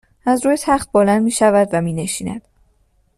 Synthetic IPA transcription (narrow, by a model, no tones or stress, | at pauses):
ʔæzɾuːjet̪ʰæχt̪̚bolænd̪miːʃævæd̪væmiːne̞ʃiːnæ̰d̪̥